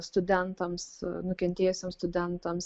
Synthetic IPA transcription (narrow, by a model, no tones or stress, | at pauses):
st̪ʊd̪ʲɛnt̪ɐmsnʊkʲɛnʲt̪ʲeːjʊsʲeːmst̪ʊd̪ʲɛnt̪ɐms